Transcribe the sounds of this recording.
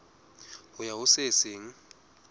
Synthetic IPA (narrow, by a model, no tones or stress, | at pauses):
hʊjaʊsɪsɪŋ̩